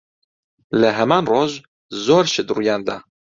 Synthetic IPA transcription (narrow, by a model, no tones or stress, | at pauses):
lɛɦɛmaːnroʒ | zoːɾʃɨd̪rujaːnd̪a